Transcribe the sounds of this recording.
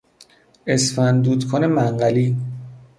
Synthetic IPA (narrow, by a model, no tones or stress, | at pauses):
esfænd̪uːd̪kʰonemæŋɢæliː